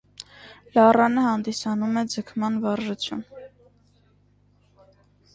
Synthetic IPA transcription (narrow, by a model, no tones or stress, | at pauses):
lɑrɑnəhɑnd̪isɑnumɛd͡zəkʰmɑnvɑrʒut͡sʰjṵn